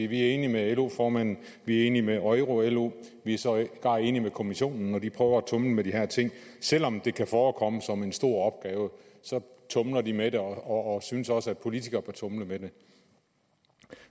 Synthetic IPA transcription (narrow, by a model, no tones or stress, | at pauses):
iʋiæɐe̝ːnimeelo̝fɒːmæn̰n̩ | ʋiæɐe̝̰ːnimeʔɒ̽ɪʁo̝elo̝̰ | ʋiæɐsɒ̽ɡ̥ɑ̈ŋ̰e̝ːnimekʰo̝miɕo̝̰ːnn̩ːɒd̥ipʰʁœːʊɐæt͡sʰɔ̽mləmediɦæɐ̰t͡sʰe̝ŋ̰sel̰ɒ̽md̥e̝kʰæfɒːkʰɒ̽məsɒ̽me̝nsd̥o̝ɐ̰ɒ̽b̥̚ɡ̥ɛːʊəsɒ̽t͡sʰɔ̽mlɐd̥imede̝ɒɒːsynəsɒ̽səæd̥̚pʰo̝lit͡sʰiɡ̥ɐb̥æɐt͡sʰɔ̽mləmede̝